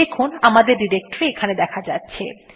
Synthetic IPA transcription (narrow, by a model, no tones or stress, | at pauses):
ekʰunamad̪eɾɖiɾek̚ʈoɾeekʰaned̪ɛkʰad͡ʑatːɕʰḛ